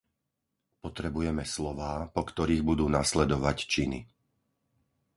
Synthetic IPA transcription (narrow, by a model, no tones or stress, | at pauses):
pɔt̪ɾɛbujɛmɛslɔʋaːpɔkt̪ɔɾiːɣbud̪uːnaslɛd̪ɔʋact͡ʃinḭ